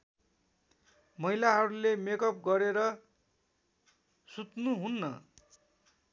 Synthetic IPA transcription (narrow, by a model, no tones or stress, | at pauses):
mʌɦilaɦʌɾulemekʌp̚ɡʌɾeɾʌ | sut̪nuɦunːʌ